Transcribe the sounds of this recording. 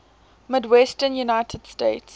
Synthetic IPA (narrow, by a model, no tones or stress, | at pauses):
mɪdwɛstənjunaɪtʰəd̥steɪts